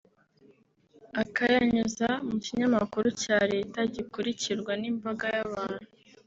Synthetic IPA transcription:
akajaɲuzamuciɲamakuɾucaːɾe̞ːtaɟikuɾiciɾɡwanimbaɡajaβaːn̥u

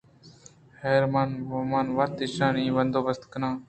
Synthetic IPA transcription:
heːɾmaːnːmaːnʋaːt̪ɪʃãːnĩːʋənd̪oːʋəst̪kənãː

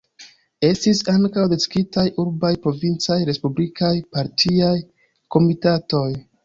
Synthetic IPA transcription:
e̞stisaŋkawdeskitajʔuɾbajpɾo̞vint͡sajɾe̞spublikʰajpaɾtʰiaj | ko̞mitato̞j

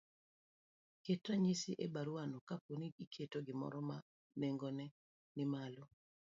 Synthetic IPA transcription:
ketɾaɲisiʔebaɾwanokaponiikʰetoɡɪmɔ̰ɾɔma | neŋɡonɛ | nɪmalo

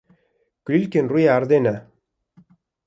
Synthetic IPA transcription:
klʲilʲkenrujaaɾd̪ena

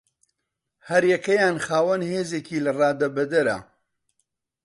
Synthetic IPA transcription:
hɐɾjɐkɐjaːnxaːwɐnheːzeːkiːlɐrˤɑːd̪ɐbɐd̪ɐɾɐ̰

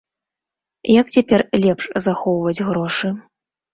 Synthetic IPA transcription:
jɐkt͡sʲapʲɛrlʲɛpʂzaxɔwvɐd͡zʲɣɾɔʂɨ

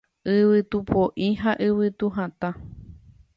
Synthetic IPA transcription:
ɨβɨt̪upʰõʔĩɦaʔɨβɨt̪uɦãt̪ã

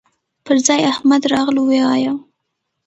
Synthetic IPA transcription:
pəɾzɑjahmad̪ɾɑɣluweɑja

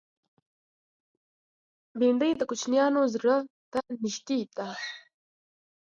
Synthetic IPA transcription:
biɳɖəjd̪əkʊt͡ʃnjɑːnozɾət̪aniʃt̪it̪a

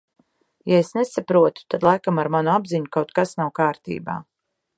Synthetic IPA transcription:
jaesnesapɾuɔt̪u̥t̪ad̪lˠajkamaɾmanuabziɲukawt̪̚kasnawkaːɾt̪ḭːba̰ː

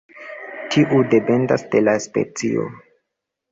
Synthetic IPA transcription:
tʰiʔude̞pe̞ndasde̞laspḛt͡sḭo̰

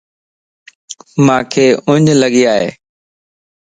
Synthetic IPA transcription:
mãːkʰeːʊɲləɠiːaːɦḛː

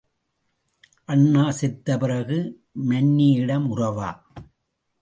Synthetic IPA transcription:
ʔɐɳːaːsɪt̪ːɐpɪrɐɣɯ | mɐnːijɪɽɐmʊrɐʋa̰ː

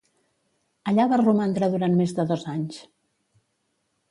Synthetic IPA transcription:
əʎaβarumant̪ɾaðuɾanmezðəðozaɲs

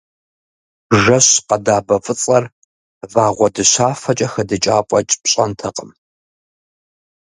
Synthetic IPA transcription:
bʒɐɕqɐdaːbɐfʼɨt͡sʼɐr | vaːʁʷɔdɨɕaːfɐt͡ʃʼɐxɐdɨt͡ʃʼaːpʷʼɔt͡ʃʼpɕʼɐntʰɐqʼəm

